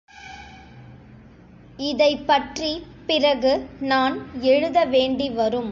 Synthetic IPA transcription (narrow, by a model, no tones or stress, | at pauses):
ɪðɐɪpːɐʈri | pɪrɐɣɯnaːnɛɻɯðɐʋeːɳɖiʋɐɾɯm